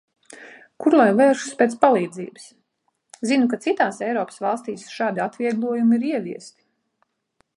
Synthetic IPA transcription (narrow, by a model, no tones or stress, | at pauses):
kuɾlˠajvɛːɾʃu̥speːt̪spalˠiːd̪zḭːbɨs | zinukat̪sit̪aːsɛjɾɔːpə̥svɑlˠst̪iːsʃaːd̪iat̪viɛɡlˠuɔjumiɾiɛviɛst̪i̥